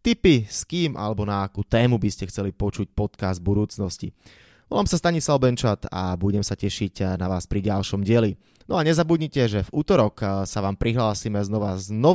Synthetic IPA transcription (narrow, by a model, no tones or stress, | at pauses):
t̪ipiskiːmʔa̰lɛbɔnaːkuːt̪ɛːmubiscɛxt͡sɛlipɔt͡ʃuc̚pɔt̪kazd̪̚bud̪uːt͡snɔscḭ | ʋɔlaːmsast̪aɲislaʊbɛnt͡ʃat̪a̰buɟɛmsacɛʃiɟnaʋaːspɾiɟalʃɔmɟɪɛli | nɔaɲɛzabudɲicɛʒɛvuːt̪ɔɾɔksaʋaːmpɾiɦlaːsimɛznɔʋaznɔ